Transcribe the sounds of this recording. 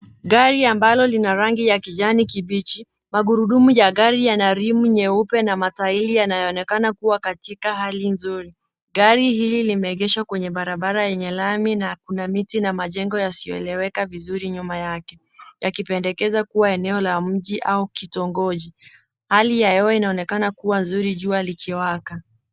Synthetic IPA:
ɠaɾiambalɔlinaɾaŋɡijakiʄanikiɓit͡ʃi | maɠuɾuɗumujaɠaɾijanaɾimuɲɛupɛnamatailijanajɔːnɛkanakuwakatikaɦalinzuɾi | ɡaɾihililimɛːɠɛʃwakwɛɲɛɓaɾaɓaɾajɛɲɛlaminakunamitinamaʄɛŋɡɔjasijɔ̰ɛ̰lɛwɛkavizuɾiɲumajakɛ | jakipɛndɛkɛzakuwaɛnɛɔlam̩ʄiʔaukitɔŋɡɔʄi | halijajɛɔinaɔnɛkanakuwanzuɾiʄualikʰiwaka

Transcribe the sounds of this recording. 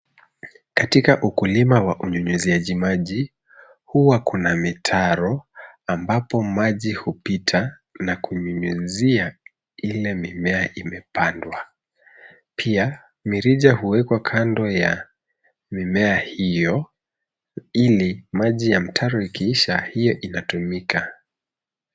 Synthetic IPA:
katikaʔukulimawaʔuɲuɲuziaʄimaʄi | huwakunamitʰaɾɔambapɔmaʄihupitʰa | nakuɲuɲuzia | ilɛmimɛaʔimɛpandwa | pʰia | miɾiʄahuwɛkwakʰandɔja | mimɛahijɔ | ilimaʄijam̩tʰaɾɔikʰiiʃahijɔʔinatumika

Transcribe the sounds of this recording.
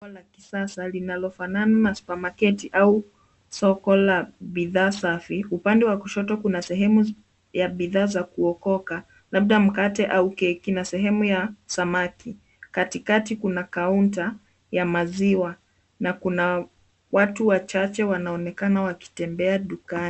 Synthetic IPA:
ɔlaki̥sasalinalɔfanananaspamakɛtiʔau | sɔkɔlaɓiðaːsafiupandɛwakuʃɔtɔkunasɛɦɛmu | jaɓiðaːzakuɔkɔka | laɓ̚ɗam̩katɛʔaukɛkinasɛɦɛmujasamaki | katikatikunakaunta | jamaziwa | nakuna | watuwat͡ʃat͡ʃɛwanaɔnɛkanawaki̥tɛmbɛaɗuka

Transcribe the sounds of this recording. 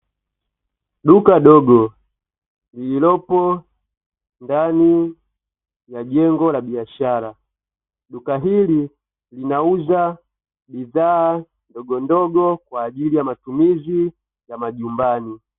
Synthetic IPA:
ɗukaɗɔɡɔ | lililɔpɔ | ndani | jaʄɛŋɡɔlaɓiaʃaɾa | ɗukaɦili | linauza | biðaː | ndɔɡɔndɔɡɔkwaːʄilijamatumizi | jamaʄumbani

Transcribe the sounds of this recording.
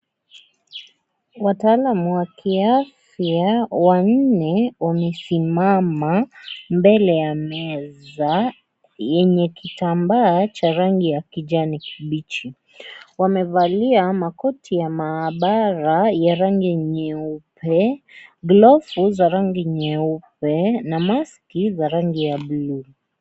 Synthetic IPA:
wataːlamuwakiaf | jawan̩nɛwamɛsimamambɛlɛjamɛza | jɛɲɛkitambaːt͡ʃaɾaŋɡijakiʄanikiɓit͡ʃi | wamɛvaliamakɔtʰijamaːɓaɾajaɾaŋɡiɲɛupɛɡlɔfuzaɾaŋɡiɲɛupɛnamaskizaɾaŋɡijaɓlu

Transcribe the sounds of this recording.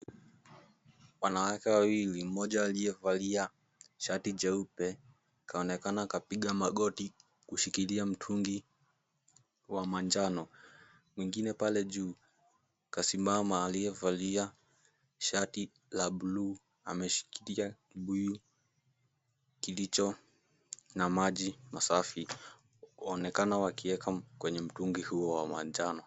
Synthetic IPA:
wanawakɛwawilim̩mɔʄaːlijɛvalia | ʃatid͡ʒɛupɛ | kʰaɔnɛkanakapiɠamaɠɔti | kuʃikiliam̩tʰuŋɡi | wamand͡ʒanɔ | mwiŋɡinɛpalɛʄuː | kasimbamaːliɛvalia | ʃati | laɓulu | a̰mɛʃi̥kiliakiɓuju | kilit͡ʃɔ | namaʄimasafi | ɔnɛkanawakiɛkakwɛɲɛm̩tuŋɡihuɔwamaɲd͡ʒanɔ

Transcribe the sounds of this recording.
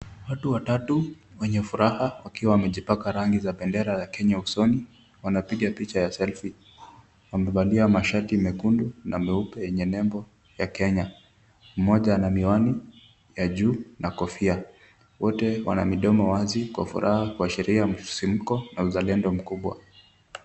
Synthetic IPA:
watuwatatu | wɛɲɛfuɾahawakiwawamɛʄipakaɾaŋɡizaɓɛndɛɾajakɛɲausɔni | wanapiɠapit͡ʃajasɛlfi | wamɛɓaliamaʃatimɛkundunamɛupɛjɛɲɛnɛmbɔ | jakɛɲa | m̩mɔʄanamiwani | jaʄuːnakɔfia | wɔtɛwa̰na̰miɗɔmɔwazikwa̰fṵɾʔahakuaʃɛɾiam̩sim̩kɔnauzalɛndɔm̩kuɓwa̰

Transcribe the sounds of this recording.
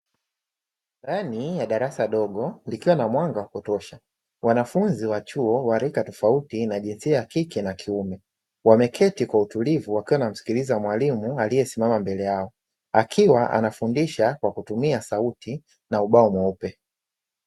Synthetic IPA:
danijaɗaɾasaɗɔɠɔlikiwanamwaŋɡawakutɔʃa | wanafunziwat͡ʃuɔwaɾikatɔfautinaʄinsiajakikɛnakʰiumɛ | wamɛkʰɛtikwautulivuwakiwanam̩si̥kilizamwalimualijɛsimamambɛlɛjaɔ | akʰiwaʔa̰nafundiʃakwakutumiasautʰi | nauɓaɔmwaupɛ

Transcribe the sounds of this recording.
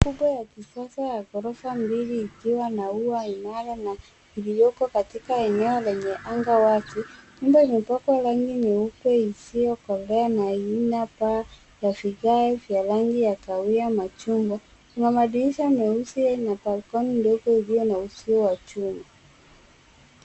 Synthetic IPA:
kuɓwajakisasajakɔɾɔfambiliːkiwanauainalana | ilijɔkɔkatikaɛnɛɔlɛɲɛʔaŋɡawatiɲumbɔimipakwalaŋɡinɛukwɛisijɔkɔlɛanainapa | jafiɣaɛvjalaŋɡijakawiamat͡ʃuŋɡɔ | kunamaɗiliʃamɛusianapalkɔnindɔɡɔilijɔnausiɔwat͡ʃuma

